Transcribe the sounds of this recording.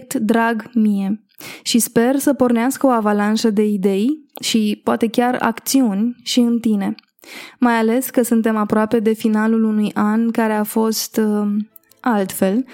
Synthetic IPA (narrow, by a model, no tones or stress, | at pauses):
t̪d̪ɾaɡmije̞ | ʃispe̞rsəpo̞rneaskəo̞avalanʃəd̪e̞id̪e̞jʃipoat̪e̞kʲara̰kt̪siunʲʃiɨnt̪ine̞ | majale̞skəsunt̪e̞mapɾoape̞d̪e̞finalulunujʔankaɾe̞afo̞st̪ | alt̪fe̞l